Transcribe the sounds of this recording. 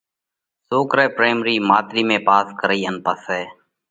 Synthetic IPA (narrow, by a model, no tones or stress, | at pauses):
soːkɾeːpɾeːmɾiːmaːt̪ɾiːmẽːpaːskəɾəiːənpaːsɦɛː